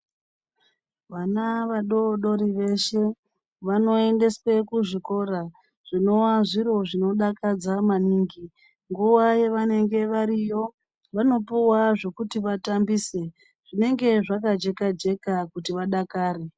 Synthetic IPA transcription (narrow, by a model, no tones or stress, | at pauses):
ʋanaʋaɗo̞ɗo̞ɾiʋe̞ʃe̞ | ʋano̞ende̞swe̞kuʐiko̞ɾa | ʐ̥ino̞waʐiɾo̞ʐino̞ɗakad͡zamaniːŋɡi | ŋɡuʋaje̞ʋane̞ŋɡe̞ʋaɾijo̞ | ʋano̞puwaʐo̞kutiʋatambiːse̞ | ʐ̥ine̞ŋɡe̞ʐakad͡ʒe̞kad͡ʒe̞kakutiʋaɗakaːre